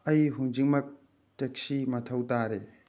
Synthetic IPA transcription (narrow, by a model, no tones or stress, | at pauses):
ɐjɦuŋd͡ʒik̚mɐk̚ | tek̚simɐtʰɐwtaɾe